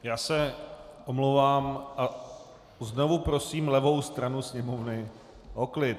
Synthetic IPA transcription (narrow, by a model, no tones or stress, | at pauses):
jaːsɛʔomlowvaːmʔa | zno̞vupɾo̞siːmlɛvo̞wst̪ɾanusɲɛmovnɪ | ɦoklɪt̪